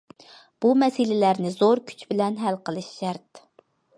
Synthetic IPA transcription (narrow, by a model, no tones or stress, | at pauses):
b̥umɛsɪlɪlæɾnɪzoɾkʲʰy̥t͡ʃʰbɪlɛnɦælqəlˠɨʃːɛɾt̪